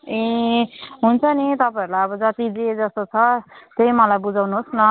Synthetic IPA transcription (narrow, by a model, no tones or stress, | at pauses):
e | ɦunt͡sʰʌnit̪ʌpaeɾlajʌbʌd͡zʌt̪id͡zed͡zʌst̪ot͡sʰʌt̪ejmʌlajbud͡zawnuɦosnʌ